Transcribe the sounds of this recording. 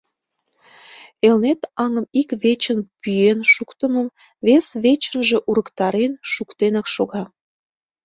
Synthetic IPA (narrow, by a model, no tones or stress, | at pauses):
elnet̪ɑŋəmikβet͡ɕənpyjenʃukt̪əməm | βesβet͡ɕənʒe̽ʔuɾə̆kt̪ɑɾenʃukt̪enɑkʃoɣɑ